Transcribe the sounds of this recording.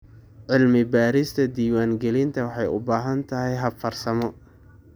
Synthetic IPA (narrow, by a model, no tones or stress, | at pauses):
ʕɪlmɪbaːɾɪst̪ʰɐd̪iːwaːŋɡɛlɪnt̪ʰɐwɑħɑjʊ̰baːɦɐnt̪ʰɐɦɛjɦɐbfɐrsɐmɔ